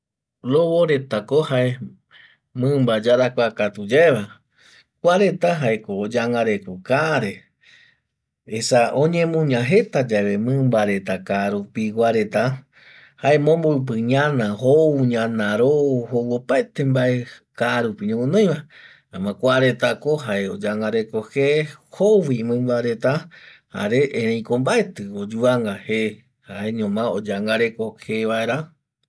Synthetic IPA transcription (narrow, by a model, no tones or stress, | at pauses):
ɾoβoɾe̞t̪akohae | mɨ̃mbad͡ʒaɾakʷakat̪ud͡ʒaeβa | kʷaɾe̞t̪aɦaekod͡ʒaŋaɾe̞kokaɾe | esaõɲẽmũɲãɦe̞t̪ad͡ʒaeβemɨ̃mbaɾe̞t̪akaːɾupiwaɾe̞t̪a | haemõmboɨp̬ɨɲãnãhouɲãnãɾohowopaet̪e̞mbaʔe̞kaɾupiɲẽmõnõj̃βa | ãmãkʷaɾe̞t̪akoɦaeod͡ʒaŋɡaɾe̞kohehowimɨ̃mbaɾe̞t̪aha̰ɾeʔẽɾ̃ẽj̃kombaet̪ɨod͡ʒuaŋɡahe | haʔeɲõmãod͡ʒaŋɡaɾe̞ko̞heβaeɾa